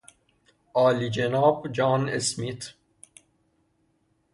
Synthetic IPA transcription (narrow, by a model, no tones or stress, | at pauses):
ɒːlid͡ʒenɒːbd͡ʒɒːnḛsmit̪ʰ